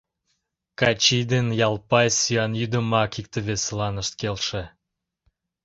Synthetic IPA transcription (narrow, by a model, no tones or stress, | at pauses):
kɑt͡ɕijd̪enjɑlˠpɑjsyɑnjyd̪əmɑkik̚t̪əβeslɑnəʃt̪̚kelʃĕ